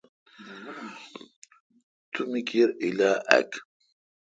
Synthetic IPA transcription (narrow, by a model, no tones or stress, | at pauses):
t̪ʰumikiɾʔilaːʔæ̰k